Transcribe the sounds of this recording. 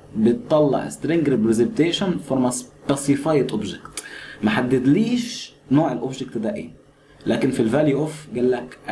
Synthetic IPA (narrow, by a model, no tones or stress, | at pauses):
bet̪ˤːɑlːɑ̰ʕ̰st̪ɾeŋɡɾɪpɾezent̪eːʃonfoɾˤmæspæsɪfajt̪ʔobʒekt̪mæħad̪ːæd̪liːʃ | noːʕelʔobʒek̚t̪d̪æʔḛː | lʔæːkɪnfilvæljuʔofɡælːæk